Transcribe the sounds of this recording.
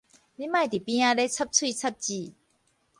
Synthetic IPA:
li˦mã˥˨jt̪i˨˩pĩ˦ã˧le˦t͡sʰa˦˥p̚t͡sʰwi˥˧t͡sʰa˦˥p̚t͡ɕi˥˧˨

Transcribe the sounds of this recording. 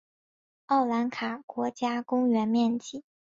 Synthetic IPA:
ɑ˥˩ʊla˧˥nkʰa˨˩kwɔ˧˥t͡ɕja˥kʊ˥ŋɥɛ˧˥nmjɛ˥˧nt͡ɕi˥˩

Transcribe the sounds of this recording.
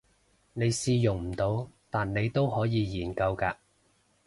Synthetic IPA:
ne˨˧jsiː˧jʊ˨˩ŋm̩˨˩t̪o˨˧wt̪aː˨nne˨˧jt̪o˥whɔː˨˥jiː˨˧jiː˨˩nkɐ˧wkaː˧

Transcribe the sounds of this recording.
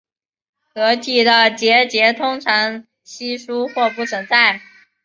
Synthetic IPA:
kɤ˧˥t̪ʰi˨˩d̪ə˦˩t͡ɕjɛ˧˥t͡ɕjɛ˧˥t̪ʰʊ˥ŋʈ͡ʂʰɑ˧˥ŋ | ɕi˥ʂu˥xwɔ˥˧pu˥˩t͡sʰwə˧˥nt͡sa˥˩ɪ

